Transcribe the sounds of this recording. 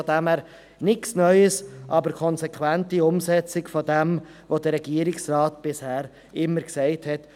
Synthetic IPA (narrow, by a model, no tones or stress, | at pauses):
dɛmæːɾ | nɪksnœʏəsʔɑbəɾkʰɔnsɛkʰwæntiʊmsɛt͡sɪkfodɛmvodəɾɛɡ̥iəɾɪksrɑːtb̥ɪshæːɾ | ɪmːəɾksɛɪthɛt